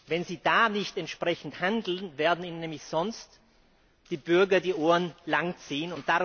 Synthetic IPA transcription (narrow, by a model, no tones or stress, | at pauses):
vɛnziːd̥aːnɪçtɛntʃpʁ̥ɛçn̩thandl̩nveːɐdn̩iːnənːɛːmlɪçz̥ɔnst | d̥iːbʏɐɡɐdiːʔoːənlaŋt͡siːənʊnt̚d̥aʁ